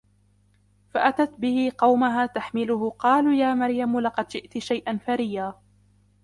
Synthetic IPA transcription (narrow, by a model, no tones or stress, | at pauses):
faʔat̪at̪bɪhɪqɑwmaɦaːt̪aħmɪlʊhʊqɑːluːjaːmaɾjamlɑqɑd̪ʃɪʔt̪ʃajʔanfaɾɪjaː